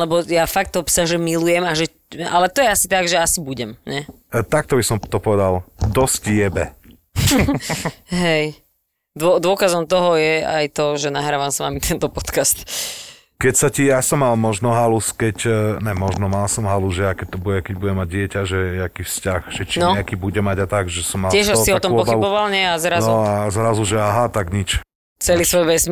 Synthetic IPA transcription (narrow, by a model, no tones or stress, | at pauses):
lɛbɔjafak̚t̪ːɔɦɔpsaʒɛmilujɛmaʒɛ | a̰lɛt̪ɔjɛasit̪aɡʒɛasibuɟɛmɲɛ | t̪ak̚t̪ɔbisɔmt̪ɔpɔʋɛd̪ald̪ɔscjɛbɛ | ɦɛj | d̪ʊɔd̪ʊɔkazɔmt̪ɔɦɔjɛa̰jt̪ɔʒɛnaɦɾaːʋamsʋa̰mit̪ɛnt̪ɔpɔt̪kast̪ | kɛcsacijasɔmːalmɔʒnɔɦaluskɛcɲɛmɔʒnɔmalsɔmɦaluʒɛjakɛc̚t̪ɔbuɟɛkɛɟbudɛmːaɟ̚ɪɛcaʒɛɛakiːfscaxʒ̥ɛt͡ʃinɔakiːbuɟɛmaɟat̪aɡʒɛsɔmːaɪɛʃaiɔt̪ɔmɔpɔxbaiubɔʋalɲɪɛazɾanzuazɾazuʒɛaɦat̪aɡɲit͡ʃ | t͡sɛliːsʋɔjʋɛsm